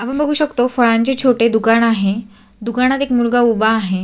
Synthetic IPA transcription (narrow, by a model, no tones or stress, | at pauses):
apəɳbəɡʱuːɕəkt̪ofəɭãɲt͡ɕet͡ɕʰoʈed̪ukaɳaɦe | d̪ukaɳ̃at̪ekmulɡaubaːɦe